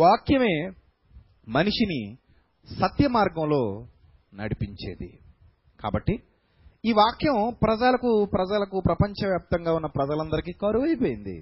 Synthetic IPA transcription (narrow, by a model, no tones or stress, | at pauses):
ʋaːkjɐme̞ː | mɐniʂini | sɐt̪jɐmaːɾɡɐ̃wlo̞ː | nɐ̰ɽipiɲt͡ʃḛːd̪ḭ | ka̰ːbɐʈːi | iːʋaːkjɐmpɾɐd͡ʒaːlɐkupɾɐd͡ʒalɐkupɾɐpɐɲt͡ʃɐʋjaːp̚t̪ɐŋɡaːunːɐpɾɐd͡ʒɐlɐnd̪ɐɾikiːkɐːɾuʋɐjpoːjind̪ḭ